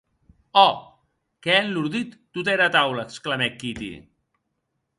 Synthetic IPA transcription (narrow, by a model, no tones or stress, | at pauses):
ɔ | keɛnluɾðit̪ːut̪̬ɛɾat̪awləːksklamɛkit̪ḭ